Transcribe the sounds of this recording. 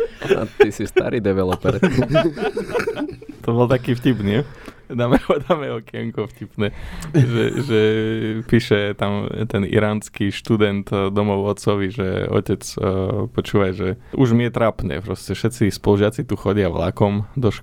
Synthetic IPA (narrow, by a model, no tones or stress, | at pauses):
a̰t̪isist̪a̰ɾid̪ɛʋɛlɔpɛɾ | t̪ɔbɔlt̪akiːfcipniɛ | d̪amɛɔd̪amɛɔkɛŋkɔfcipnɛːʒɛ̰ʒɛpiːʃɛt̪amt̪ɛnḭɾaːnskiʃt̪ud̪ɛnt̪d̪ɔmɔʊɔt͡sɔʋiʒɛ̰ɔ̰cɛt͡spɔt͡ʃuːʋajʒɛuʒmiɛt̪ɾapnɛ̰ːpɾɔscɛfʃɛt͡sispɔluʒɪat͡sit̪uxɔɟɪaʋla̰kɔmd̪ɔʃ